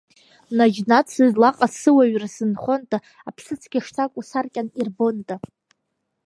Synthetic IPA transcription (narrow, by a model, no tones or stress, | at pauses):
nad͡ʒnat͡sʰɨzlaqʼasɨwaɥrasɨnχʷontʼa | apʰsɨt͡sʰɡʲaʂtʰakʷʼusarkʲʼanirbontʼa